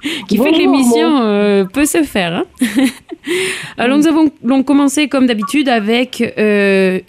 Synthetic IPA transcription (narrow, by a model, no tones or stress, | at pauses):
kʲifɛkəlemisjɔ̃øpøsəfɛːʁɛ̃ | alɔʁnuzavɔ̃lɔ̃kɔmɑ̃sekɔmd̪abit̪yd̪avɛkø